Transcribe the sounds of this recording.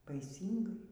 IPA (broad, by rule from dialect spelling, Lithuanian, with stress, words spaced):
bɐɪˈsʲiːŋɡɐɪ